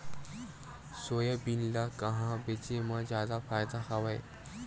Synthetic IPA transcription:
sojəbinlakəɦãbet͡ɕemãd͡ʑad̪afaːjd̪ahaʋaj

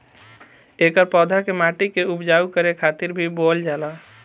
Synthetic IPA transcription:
ekəɾpɔd̪ʱakemaʈikeupd͡ʒaukəɾekʰat̪iɾbʱibold͡ʒala

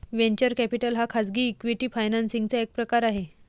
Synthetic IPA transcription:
ʋẽɲt͡ɕəɾkæpiʈəlɦakʰad͡zɡiːkʋiʈiːfajnansiŋɡt͡saek̚pɾəkaɾaɦe

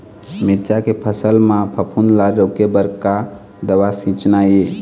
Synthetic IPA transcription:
miɾt͡ʃakepʰəsəlmãpʰəpʰunlaɾɾəkebəɾka | d̪əwasĩt͡ʃnaje

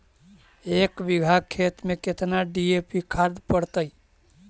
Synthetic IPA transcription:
ekbiɡʱakʰːet̪meket̪naɖiepikʰaɾd̪pəɽt̪əj

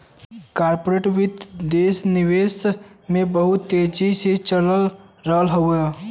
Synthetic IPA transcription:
kaːɾpoɾeːʈʋɪt̪d̪eːsnɪʋeːsmẽbəɦʊt̪ːeːd͡ʒiset͡ʃələlɾəɦəlɦəa

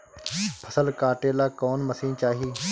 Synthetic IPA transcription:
pʰəsəlkaːʈeːlaːkoːnməsĩːnt͡ʃaːɦiː

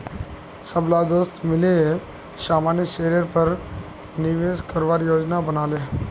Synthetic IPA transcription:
səblaːd̪oːst̪mɪle | saːmaːnjəʃeːɾjəɾpəɾ | nɪʋeːskəɾʋaːɾjoːd͡ʒnabənaːle

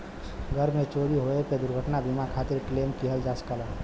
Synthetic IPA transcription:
ɡʱəɾmet͡ʃoɾiɦoeped̪uɾɡʱəʈnabimakʰat̪iɾklemkiɦəld͡ʒaskələ

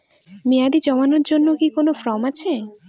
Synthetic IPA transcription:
mijad̪id͡ʑɔmanoɾd͡ʑonːokikonofɾɔmat͡ɕʰe

